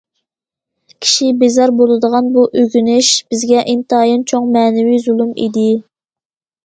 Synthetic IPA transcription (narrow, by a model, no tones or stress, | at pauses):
kʲʰi̥ʃibezɑɾbolˠɨd̪əʁɑnbuʔøɡʲynɪʃb̥ɪzɡʲɛʔint̪ɑjɑnt͡ʃʰoŋmɛːnɪwizulˠumḭd̪ɪ